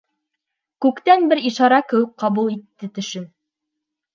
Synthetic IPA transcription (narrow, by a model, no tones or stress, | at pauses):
kʉkt̪ænbɘɾiʃɑɾɑkɘ̆wɘk̚qɑβulˠit̪ːɘt̪ɵ̆ʃɘm